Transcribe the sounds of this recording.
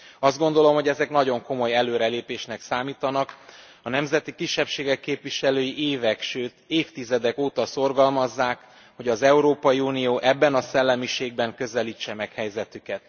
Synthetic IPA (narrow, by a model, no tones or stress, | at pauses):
ɒzd̪ɡo̞n̪d̪o̞lo̞mhoɟɛzɛknɒɟo̞ŋko̞mo̞jɛløːɾɛleːpeːʃnɛksaːmiːt̪ɒnɒk | ɒnɛmzɛt̪ikiʃːɛpʃeːɡɛkːeːpʋiʃɛløːjiʔeːvɛkʃøːt̪eːft̪izɛd̪ɛkoːt̪ɒso̞rɡɒlmɒzːaːk | ho̞ɟɒzɛuɾoːpɒjiuːnijoːʔɛbːɛnɒsɛlːɛmiʃeːɡ̚bɛŋkø̞zɛliːt͡ʃːɛmɛkhɛjzɛt̪ykɛt̪̚